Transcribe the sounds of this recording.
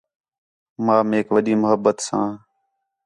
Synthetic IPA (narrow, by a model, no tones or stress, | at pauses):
mãːmeːkʋəɗiːmʊɦəbːət̪sãː